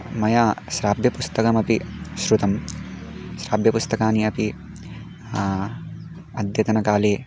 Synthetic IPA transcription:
mɐjaːʃɾaːbʱjɐpust̪ɐkɐmɐpiʃɾut̪ɐm | ʃɾaːbʱjɐpust̪ɐkaːniɐpi | ɐd̪jɐt̪ɐnɐkaːleː

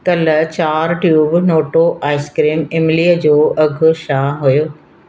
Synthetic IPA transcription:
kɐlt͡ɕaːɾʈjuːbnoːʈoʔaːɪskɾiːmɪmɪliəd͡ʑoːɐɡʱʊ̆ʃaːɦʊjoː

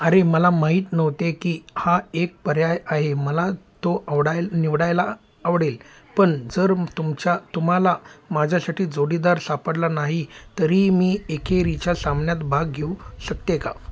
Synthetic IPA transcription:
əɾeməlamaɦiːt̪nəʋt̪ekiːhaek̚pəɾjajaɦeməlat̪oaʋɽajniʋɽajlaː | ʋɽel | pəɳd͡zəɾt̪umt͡ɕat̪um̤alamad͡ʑʱjasaʈiːd͡zoɽiːd̪aɾsapəɽlanaɦit̪əɾiːmiːekʰeɾit͡ɕjasambnjat̪bʱaɡɡʱeuɕək̚t̪eka̰

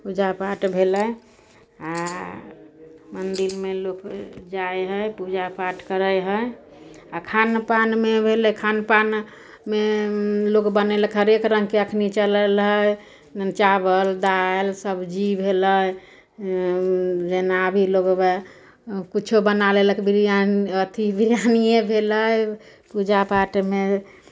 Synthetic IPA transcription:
pud͡ʒapaʈbʱeləj | a | mənd̪iɾmelokd͡ʒajɦəjpud͡ʒapaʈkəɾəjɦəj | akʰanpanmebʱeləkʰanpan | melokbəneləkɦəɾekɾə̃ŋɡkeəkʰnit͡ʃələlɦəj | t͡ʃabəld̪aelsəbʱd͡ʒibʱeləj | d͡ʒenabʱiloɡme | kit͡ʃʰobənaleləkebʱiɾaət̪ʰibʱiɾjanijebʱeləj | pud͡ʒapaʈme

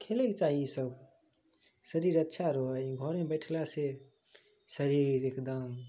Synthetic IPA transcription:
kʰelekt͡ʃaɦisəb | səɾiɾətːʃʰaɾɔɦəɡʱɔɾmebəɪʈʰlase | səɾiɾekd̪əm

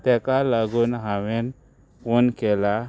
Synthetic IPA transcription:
t̪ɛkalaɡunɦawen | wonkela

